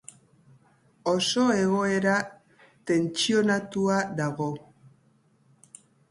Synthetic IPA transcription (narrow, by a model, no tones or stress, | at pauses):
o̞so̞e̞ɣo̞e̞ɾa | t̪e̞nt͡sio̞nat̪uaðaɣo̞